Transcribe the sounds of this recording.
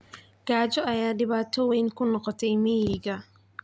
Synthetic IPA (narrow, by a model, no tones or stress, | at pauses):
ɡ̥aːt͡ʃɔɐjaːɖɪβaːt̪ʰɔwɛjnkʰʊnɔqɔt̪ʰɛjmɪjɪɡɐ